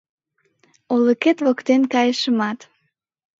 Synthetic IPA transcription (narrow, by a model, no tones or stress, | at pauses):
oləket̪βokt̪enkɑjəʃəmɑt̪